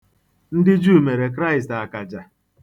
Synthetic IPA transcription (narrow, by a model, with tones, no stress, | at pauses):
n̩˦dɪ˦d͡ʒuː˦˨me˨ɾe˨k̬ɾa˦ɪ˨sta˨ka˨d͡ʒa˨